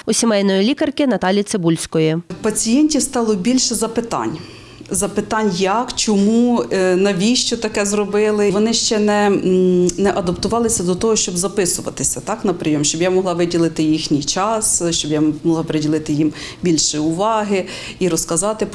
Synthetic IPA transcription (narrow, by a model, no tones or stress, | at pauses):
ʊsʲimɛjʲnɔjilʲikɐrkɪnɐt̪ɑlʲjisɪbulʲsʲkɔjipɐt͡sʲijɛnʲtʲiwst̪ɑlˠɔbʲilʲʃɛzɐpɪt̪ɑ̰nʲ | zɐpɪt̪ɑnʲjɐkt͡ʃɔmunɐʋʲiʃt͡ʃɔt̪ɐkɛzrɔbɪlˠɪʋɔnɪʃt͡ʃɛnɛ | nɛʔɐd̪ɐpt̪ʊʋɑlˠɪsʲɐd̪ɔt̪ɔɦɔʃt͡ʃɔbzɐpɪsʊʋɐ̰t̪ɪsʲɐt̪ɑknɐpɾɪjɔmʃt͡ʃɔbjamɔɦlˠɑʋɪdʲilˠɪt̪ɪjixnʲijt͡ʃɑsʃt͡ʃɔbjamɔlˠɑpeɾedʲilˠɪt̪ɪjimbʲilʲʃɪʊʋɑɦɪ | iɾɔskɐzɑt̪ɪ